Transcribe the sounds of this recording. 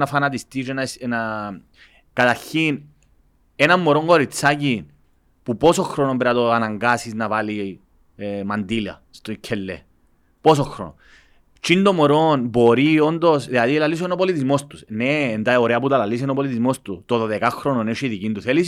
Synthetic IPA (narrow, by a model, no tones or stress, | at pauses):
nafanat̪ist̪iʃenana | kat̪aɾçin | enamːoɾoŋɡo̞ɾit͡sːacin | pupo̞soxɾonombeɾat̪oanaŋɡasisnavali | mand̪ilɐ̰ | st̪ocʰelːḛ | po̞soxɾo̰no̰ | t͡ʃind̪omoɾonbo̞ɾiond̪osðilaðilalis̬oenopolit̪izmost̪usneːnd̪aioɾeɐp̬ut̪alalis̬inopolit̪izmost̪ut̪oðoðekaxɾononeʃiðicind̪uθelis